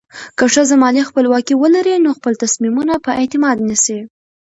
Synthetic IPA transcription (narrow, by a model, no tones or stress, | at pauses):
kəʂəzamɑlixpəlwɑkiwəlaɾinoxpəlt̪asmimunapəʔet̪ɪmɑd̪nisi